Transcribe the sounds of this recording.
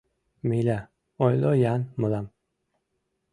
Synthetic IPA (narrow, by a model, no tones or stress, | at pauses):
milʲa | ojlojanmulam